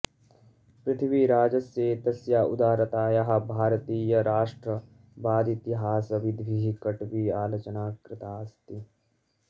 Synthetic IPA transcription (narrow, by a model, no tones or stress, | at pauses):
pɾɪt̪ʰiʋiɾaːd͡ʒɐsjeːt̪ɐsjaːʔud̪aːɾɐt̪aːjɐɦɐ̆bʱaːɾɐt̪iːjɐɾaːʂʈɾɐ | baːd̪it̪iɦaːsɐʋid̪ʱʋiɦikɐʈʋiaːlɐt͡ʃɐnaːkɾɪt̪aːɐst̪i